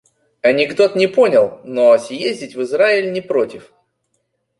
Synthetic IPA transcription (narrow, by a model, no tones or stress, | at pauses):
ɐnʲɪɡd̪o̞t̪nʲɪpo̞nʲɪlˠnoɐsʲjezʲdʲɪtʲvɨzɾaɪlʲnʲɪpɾotʲɪf